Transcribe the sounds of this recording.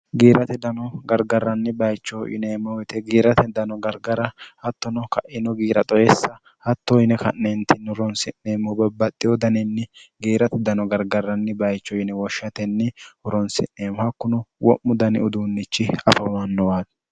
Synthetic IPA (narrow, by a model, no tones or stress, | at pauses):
ɡiːɾɐt̪ɛd̪ɐnɔɡɐɾɡɐrːɐnːɪbɐjt͡ʃːɔʔɪ̰nemɔwjt̪ɛɡiːɾɐt̪ɛd̪ɐnɔɡɐɾɡɐɾɐhɐt̪ːɔnɔkɐʔɪnɔɡiːɾɐt̪ʼɔjɛsːɐ | hɐt̪ːɔɪnɛkɐnːent̪ɪnːʊɾɔnsɪnːeːmʊbɐbːɐt̪ʼːɪjɔd̪ɐnɛnːɛɡiːɾɐt̪ɛd̪ɐnɔɡɐɾɡɐrːɐnːɪbɐjt͡ʃːɔɪnɛwɔʃːɐt̪ɛnːɛhʊɾɔnsɪ̰nːeːmʊhɐkːʊnʊwɔ̰ʔːʊd̪ɐnɪ̰ʊd̪uːnːɪt͡ʃːɪɐfɐmɐnːɔwaːd̪